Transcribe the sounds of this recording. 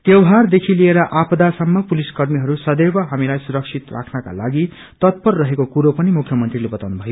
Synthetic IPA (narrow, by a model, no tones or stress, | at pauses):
t̪jewɦard̪ekʰilieɾʌʔapʰʌd̪asʌmːʌpuliskʌrmiɦʌɾusʌd̪ebʌɦamilajsuɾʌksʰit̪rʔa̰kʰnʌka̰laɡi | t̪ʌt̪̚pʌrːʌɦekokuɾopʌnimukʰjʌmʌnt̪rilebʌt̪awnubʱʌjo